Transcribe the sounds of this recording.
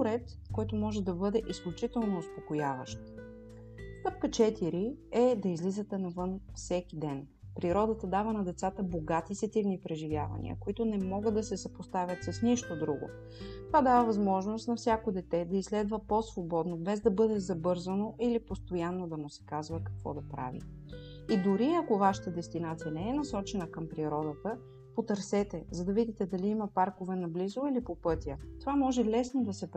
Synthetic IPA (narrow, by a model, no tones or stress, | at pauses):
ɾɛt̪ | kɔjt̪omɔʒɛd̪ɐbɤd̪ɛʔisklʲut͡ʃit̪ɛlˠnoospokojavəʃt̪ | st̪ɤp̚kət͡ʃɛt̪iɾiɛd̪ɐizlizət̪ɛnɐvɤnfsɛkid̪ɛn | pɾiɾɔd̪ət̪əd̪avənɐd̪ɛt̪sat̪əboɡat̪isɛt̪ivnipɾɛʒivʲja̰vɐ̰nḭə̰koit̪onɛmɔɡəd̪ːɐsɛsəpost̪avʲjət̪sɐsniʃt̪od̪ɾuɡo̰ | t̪ovad̪avəvɐzmɔʒnost̪nɐfsʲjakod̪ɛt̪ɛd̪ɐislɛd̪vəposvobɔd̪nobɛzd̪ɐbɤd̪ɛzɐbɤɾzənoʔilipost̪ojanːod̪ɐmusɛ̥kazvəkɐkvɔ̰d̪ɐpɾa̰vḭ | id̪ʊɾiɐkovaʃə̥t̪əd̪ɛst̪inat̪sijənɛɛnɐsɔt͡ʃɛnəkəmpɾiɾɔd̪ət̪ə | pot̪ɐɾsɛt̪ɛzɐd̪ɐvid̪it̪ɛd̪ɐliiməpaɾkovɛnɐblizoilipopɤt̪jət̪ovamɔʒɛlɛsnod̪ɐsɛp